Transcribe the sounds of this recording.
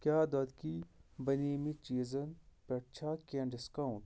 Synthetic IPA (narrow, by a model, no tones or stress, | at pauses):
kʲjaːd̪ɐt̪kibɐneːmit͡ʃiːzɐnpɐʈt͡ʃʰaːkʲeɳɖiskauɳʈ